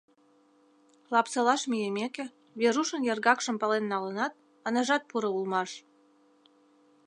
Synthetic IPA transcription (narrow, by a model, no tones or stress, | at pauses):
lɑpsɤlɑʃmʲijemekĕ | βeɾuʃə̆njerɣɑkʃə̆mpɑlenːɑlənɑt̪̚ | ə̆nəʒɑt̪̚puɾɤ̆ulmɑʃ